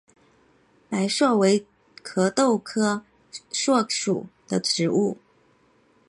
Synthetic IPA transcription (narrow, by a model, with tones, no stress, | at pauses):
pa˧˥ɪʂwɔ˥˩we˧˥ɪ | kʰɤ˧˥t̪o˥˩ʊkʰɤ˥ | ʂwɔ˥˩ʂṵ˨˩d̪̥ə˦ʈ͡ʂɻ̩˧˥u˥˩